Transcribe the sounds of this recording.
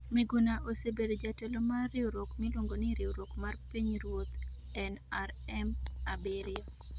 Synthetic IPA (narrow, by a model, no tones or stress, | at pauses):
meɡunaʔosebedod͡ʒatɛlomarːɪoɾokmilwoŋɡonɪɾɪoɾokmarpiɲɾwot̪ | ɛnaɾɛmabɪɾɪo